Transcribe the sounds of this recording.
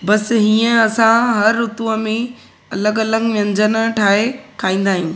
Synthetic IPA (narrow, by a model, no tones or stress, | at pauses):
bɐsɦiːə̃ɐsãɦɐɾːʊt̪uəmẽ | ɐləɡɐləɡʋjə̃ɲd͡ʑənə̆ʈʰaːɦekʰaːĩːn̆d̪aːɦijũː